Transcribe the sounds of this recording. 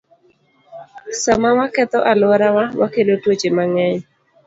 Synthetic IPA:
samawakɛt̪ɔʔalwɔɾawawakelotwot͡ʃemaŋɛɲ

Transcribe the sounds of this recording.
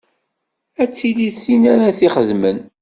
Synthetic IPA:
æt͡sːiliθinæɾaθiχəðmən

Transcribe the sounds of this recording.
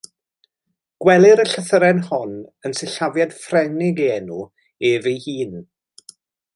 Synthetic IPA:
ɡ̥wɛlˠɪɾəɬəθəɾɛnhɔnənsɪɬavjad̥frɛnɪɡeɛnu | eːvejhiːn

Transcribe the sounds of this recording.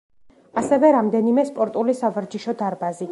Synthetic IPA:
asɛvɛɾamd̪ɛnimɛspʼɔɾt̪ʼulisavaɾd͡ʒiʃɔd̪aɾbazi

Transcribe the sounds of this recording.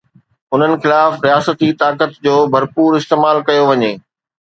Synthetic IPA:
ʊn̤ənɪ̆xɪlaːfɾijaːsət̪it̪aːkət̪d͡ʑoːbʱɐɾpuːɾɪst̪eːmaːlkɐjoʋɐɲeː

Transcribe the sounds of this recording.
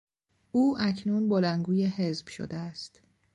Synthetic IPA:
ʔuːʔæcʰnuːnbolænɡuːjeɦe̞zb̥ʃo̰d̪eæst̪

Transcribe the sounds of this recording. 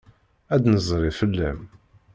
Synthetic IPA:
æd̪nəzˤɾˤifəlːæm

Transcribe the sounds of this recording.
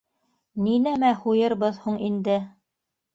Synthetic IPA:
ninæmæhujɤ̆ɾβɤðhuɴind̪ɘ

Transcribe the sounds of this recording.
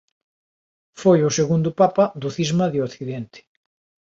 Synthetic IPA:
fojʊseɣund̪ʊpapaðʊθizmɐðjokθiðent̪ɪ̥

